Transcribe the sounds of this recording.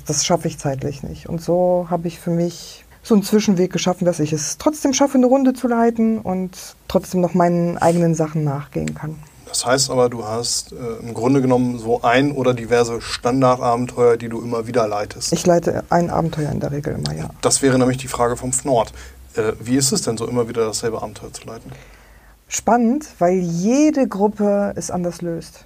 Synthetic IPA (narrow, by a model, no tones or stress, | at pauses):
d̥asʃafəɪçt͡saɪtlɪçnɪ̰çtʊ̰ntz̥oːɦaːbəɪçfyːɐmɪç | z̥oːnt͡sv̥ɪʃn̩veːk̚ɡ̥əʃafn̩d̥asɪçɛstʁ̥ɔt͡sd̥eːmʃafənəʁʊndət͡sulaɪtn̩ʊ̰nttːʁ̥ɔt͡sd̥eːmnɔχmaɪnənʔa̰ɪɡənənzaχn̩ːaːχɡ̥ḛːə̰nkʰan | d̥ashaɪstʔaːbɐduːhastɛːɪmɡʁʊndəɡənɔmənzoːʔaɪnʔoːɾɐdivɛɐzəʃtandaɐtʔaːbm̩tʰɔʏɐdiːduːʔɪmɐviːdɐlaɪtʰəstʔɪçlaɪtə̰ʔaɪnʔa̰ːbm̩tʰɔʏɐɪ̰ndeːɐʁ̞eːɡl̩ʔɪ̰mɐ̰ja̰ːd̥asv̥ɛːʁənɛːmlɪçd̥iːfʁ̥aːɡəfɔmfnɔɐtʔɛːviːɪstɛsd̥ɛnzoːʔɪmɐviːdɐdasz̥ɛlbəʔa̰ːbm̩tʰɔʏɐt͡su̥laɪtn̩ | ʃpanəntv̥aɪljeːdəɡʁʊpəɛsʔa̰ndɐsløːst